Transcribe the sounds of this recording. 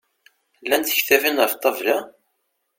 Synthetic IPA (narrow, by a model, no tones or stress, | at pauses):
lːænt̪ə̥çθævinəft̪ˤːɑvlæ